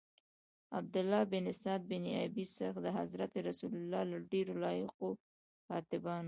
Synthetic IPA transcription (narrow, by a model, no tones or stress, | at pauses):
a̰b̚d̪ʊlːɑbɪnɪsɑd̪̚bɪniabisəxd̪əɦa̰zɾat̪eɾasulʊlɑlaɖeɾolɑjɪqo | kɑt̪ɪbɑn